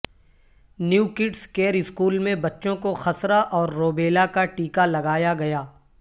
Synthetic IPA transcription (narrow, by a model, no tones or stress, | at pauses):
njuːkɪʈskeːɾɪskuːlmẽbɐtːʃõkoxɐsɾaʔɔːɾːoːbeːlakaʈiːkalɐɡaːjaɡɐjaː